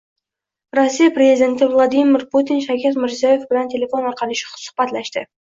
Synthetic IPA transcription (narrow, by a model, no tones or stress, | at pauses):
rosːijapɾezid̪e̞nt̪ɪvlˠad̪ijmɪɾput̪inʃakʲʰet̪mɪɾzijajefbɪlænt̪ʰe̞lʲe̞fo̞nɑɾqɑlˠəʃɪ̥χsʊ̥χbɑt̪læʃt̪ɪ̰